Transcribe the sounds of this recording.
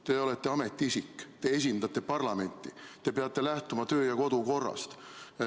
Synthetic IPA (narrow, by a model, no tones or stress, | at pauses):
t̪e̞o̞let̪ːe̞ɑme̞t̪ːiisikːt̪e̞es̬ʲind̪ɑt̪ːˑe̞pɑrlɑme̞nt̪ːˑit̪e̞peɑt̪ˑːe̞læht̪umɑt̪ø̞ːjɑko̞d̪uko̞rːɑ̰st̪